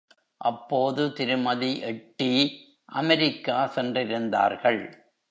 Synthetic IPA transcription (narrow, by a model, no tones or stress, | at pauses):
ʔɐpːoːðɯt̪ɪɾɯmɐðiʔɛʈːi | ʔɐmɛɾɪkːaːsɛndrɪɾɯnd̪a̰ːɾɣɐɭ